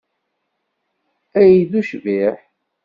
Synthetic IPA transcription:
æjiðuʃviħ

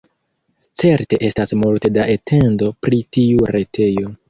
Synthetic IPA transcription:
t͡se̞ɾte̞ʔe̞stasmulte̞daʔetʰe̞ndo̞pɾitiuɾe̞tʰe̞jo̞

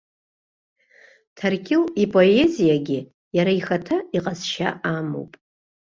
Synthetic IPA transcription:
tʰarkʲʰɪlipʼo̞e̞zijaɡʲɪ | jaɾaixatʰaiqʼazʃa̰ʔamo̰wpʼ

